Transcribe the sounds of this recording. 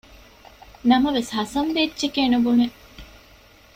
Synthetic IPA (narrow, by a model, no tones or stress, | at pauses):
nɐmɐʋeshɐsɐnʋetːt͡ʃekeːnubune